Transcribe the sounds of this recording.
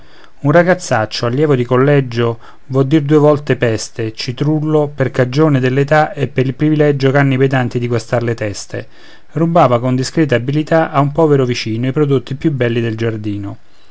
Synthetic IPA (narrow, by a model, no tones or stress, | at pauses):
unraɡat̪sːat͡ʃːoaljɛːvod̪ikolːɛd͡ʒo | vɔd̪ːird̪uːevɔlt̪epɛst̪et͡ʃit̪ɾulːoperkad͡ʒoːned̪elːet̪aepːeɾilpɾivilɛd͡ʒokanːiped̪ant̪id̪iɡwast̪arlet̪ɛst̪ḛ | rubaːvakond̪iskɾɛːt̪aːbilit̪aʔaumpɔːveɾovit͡ʃiːnoipɾod̪ot̪ːipjubːɛlːid̪eld͡ʒard̪iːno